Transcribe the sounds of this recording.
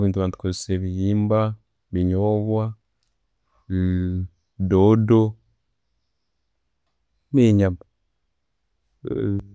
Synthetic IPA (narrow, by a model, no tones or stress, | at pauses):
βiːntuβaːntu̥kozeseβijiːmba | βiɲoβwa | dodo | miɲa